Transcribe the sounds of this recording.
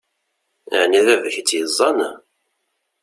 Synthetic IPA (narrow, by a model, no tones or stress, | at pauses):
ə̰ʕniðævəçt͡sːjəzˤːɑn